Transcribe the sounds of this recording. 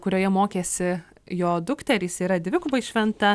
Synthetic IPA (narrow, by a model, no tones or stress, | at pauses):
kʊɾʲoːjɛmoːkʲeːsʲɪ | joːd̪ʊkt̪ʲɛɾʲiːsʲiːɾɐd̪ʲʋʲɪkʊbɐɪʃʲʋʲɛnt̪ɐ